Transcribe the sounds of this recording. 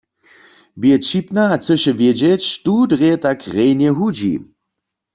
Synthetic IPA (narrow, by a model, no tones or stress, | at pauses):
bjɛt͡ʃipnaːt͡səʃɛvjed͡ʒɛt͡ʃtudʁetakʁejnjɛɦud͡ʒḭ